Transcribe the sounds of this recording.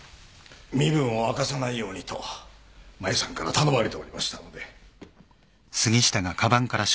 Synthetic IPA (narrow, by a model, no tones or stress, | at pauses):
mʲibɯ̟̃ɰ̃o̞akasanaijo̞ːɲ̟it̪o̞̰ | maesãŋkaɾat̪ano̞maɾʲit̪e̞oɾʲimaɕi̥t̪ano̞d̪e̞ | sɨɡʲiɕi̥t̪aɡakʰabãŋkaɾaɕ